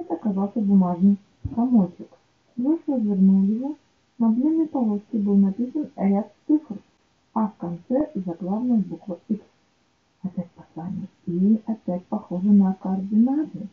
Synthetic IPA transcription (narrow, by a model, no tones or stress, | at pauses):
ɦɛt̪ɐkːazawsʲɐbumaʐnɨj | samɔtʲɪk | zuʂɔzʲirnuwlʲjɐɦɔ | nɐblʲinɨjpalˠɔsʲkʲibɨwnapʲisɐnɾʲat̪ɨfr | ɐfkant̪sɛzɐklˠawnɐjbukvɐiks | ɐpʲatʲpɐ̥sanʲːɐiapʲatʲpaxɔʐɨnɐkɐɐrd̪ɨnat̪ɨ